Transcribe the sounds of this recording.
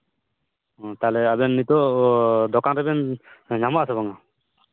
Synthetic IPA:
ɔ̃t̪alɛabɛnːit̪ɔd̪ɔkanɾɛbɛnɲamɔasabaŋa

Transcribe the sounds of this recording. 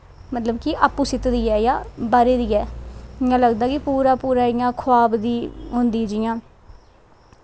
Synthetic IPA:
mət̪ləbkɪʔaːpːuːsɪt̪d̪iːɛːjaːbaːɾeːd̪iːɛːɪãːləɡd̪aːkɪpuːɾaːpuːɾaːɪjãːkʰʊaːbd̪iːɦʊnd̪iːd͡ʒɪːãː

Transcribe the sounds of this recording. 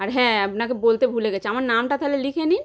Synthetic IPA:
aɾɦɛ̃apnakebolt̪ebʱuleɡɛt͡ɕʰeamaɾnamʈat̪aɦelelikʰeni

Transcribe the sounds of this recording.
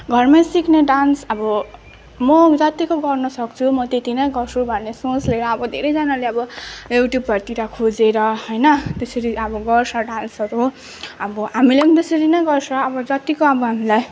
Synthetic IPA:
ɡʱʌrmasikneɖansʌbʌ | mʌd͡zʌt̪ikoɡʌrnʌsʌk̚t͡sʰumʌt̪et̪inʌjɡʌrsʰubʱʌnːesõt͡sleɾʌːbʌd̪ʱeɾʌjd͡zʌnaleʌbʌjuʈjubːʱʌrt̪iɾakʰod͡zeɾʌɦʌjnʌt̪esʌɾiʌbʌɡʌrsʰʌɖansʌɾu | ʌbʌɦamileʌmd̪esʌɾinʌɡʌrsʌːbʌd͡zʌt̪ikoʌbʌɦamilaj

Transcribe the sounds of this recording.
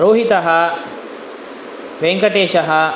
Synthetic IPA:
ɾoːɦit̪ɐɦɐ | ʋeŋkɐʈeːʃɐɦɐ

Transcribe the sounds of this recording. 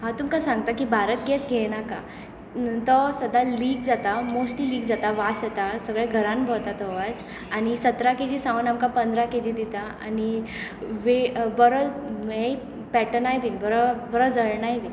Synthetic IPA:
ɦãt̪umkasãŋɡ̚t̪akibʱaɾət̪ɡɛt͡sɡʱenaka | t̪əsəd̪ʱaliːɡd͡zat̪amosʈliliːɡd͡zat̪aʋasat̪asəɡɭɛɡʱəɾãnbʱəɭt̪at̪ɔʋat͡s | añisət̪ɾaked͡ʑisãunamkapənd̪ʱɾaked͡ʑid̪it̪aa̰ni | ʋebəɾəɦe | pɛʈənajbiŋbəɾəbəɾəd͡zəɭɳajbi

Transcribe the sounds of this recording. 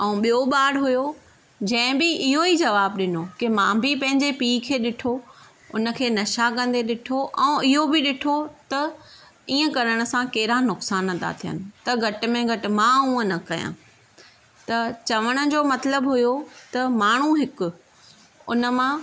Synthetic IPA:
ɛ̃ũɓijoɓaːɽɦʊjo | d͡ʑɐ̃ɦɪ̃bɪɪɦoid͡ʑɐʋaːbɗɪnokɪmãːbʱɪpɐ̃ɦɪ̃ɲd͡ʑepiːkʰeːɗɪʈʰo | ʊnə̆kʰeːnɐʃakɐ̃nd̪eɗɪʈʰoʔɛ̃ɪɦobɪɗɪʈʰot̪ɐ | iːə̃kɐɾəɽ̃ə̆sãkeːɪɾanʊksaːnɦət̪ʰa̰t̪ʰijə̰nɪ̆t̪ɐɡʱɐʈ̆mẽɡʱɐʈɪ̆mãːũːə̃nɐkɐjã̰ː | t̪ɐt͡ɕɐʋəɽ̃ʊ̆d͡ʑoːmɐt̪ləbɦʊjot̪ɐmaːɳ̤uɦɪkʊ̆ | ʊ̰nə̆mã

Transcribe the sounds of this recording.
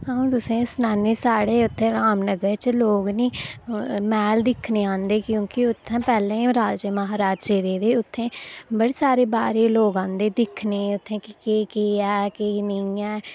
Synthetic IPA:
ɦãːũːt̪ʊsẽːsʊnaːneːsaːɽeːʊt̪ʰːẽːɾaːmnəɡəɾt͡ʃloːɡnĩː | mɛːld̪ɪkʰneːãːnd̪eːkjõːkɪʊt̪ʰːãːpɛːlẽːɾaːd͡ʒəməɦaːɾaːd͡ʒt͡ʃeːɾeːd̪eːʊt̪ʰːẽːbəɽeːsaːɾeːbaːɾeːloːɡãːnd̪eːd̪ɪkʰneːʊt̪ʰːẽːkkeːkeːɛːkeːnəĩɛː

